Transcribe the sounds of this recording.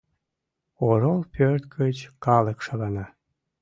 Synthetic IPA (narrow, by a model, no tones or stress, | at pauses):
oɾolpørt̪kʰət͡ɕkɑləkʃɑlɑnɑ